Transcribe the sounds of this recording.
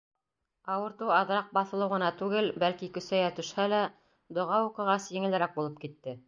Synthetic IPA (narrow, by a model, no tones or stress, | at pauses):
ɑwɤ̆ɾt̪uɑðɾɑq̚bɑθɤ̆lˠɤ̆wʁɤ̆nɑt̪ʉɡɘlbælkikɵ̆sæjæt̪ɵ̆ʃhælæ | d̪ŏʁɑuqɤ̆ʁɑsjɘ̆ŋɘ̆lɘ̆ɾæk̚bulˠɤp̚kit̪ːɘ